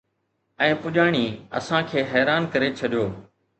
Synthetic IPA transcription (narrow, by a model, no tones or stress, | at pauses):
ɛ̃ːpʊʄaːɽ̃iːə̰sãːkʰeːɦɛːɾaːnkəɾet͡ʃʰəɗɪjoː